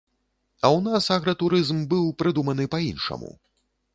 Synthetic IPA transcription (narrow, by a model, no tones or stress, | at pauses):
ɐwnasaɣɾɐt̪uɾɨzmbɨwpɾɨd̪umɐn̪ɨpɐinʂɐ̰mṵ